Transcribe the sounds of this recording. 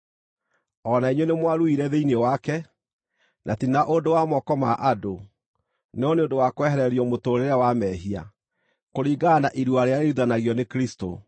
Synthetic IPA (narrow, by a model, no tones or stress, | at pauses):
ɔnaiɲwenemwaɾuiɾɛðeinewakɛ | nʔatinaʔondowamɔkɔmaʔado | neɔneondowakowɛɦɛɾɛɾiɔmotoːɾeɾawamɛːɦia̰ | koɾiːɡanaʔiɾwaɾeaɾeɾuðanaɣjɔnekɾisto̰